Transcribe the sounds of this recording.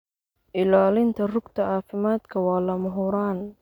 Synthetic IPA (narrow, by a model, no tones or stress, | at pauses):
ʔɪlɔːlɪnt̪ʰɐrʊɡt̪ʰɐaːfɪmaːd̪kʰɐwɑːlɐmʊɦʊɾaːn